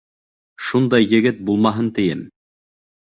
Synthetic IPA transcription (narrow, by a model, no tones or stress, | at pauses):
ʃund̪ɑjːɘ̆ɡɘt̪̚bulˠmɑɦɤnt̪ɘ̆jɘm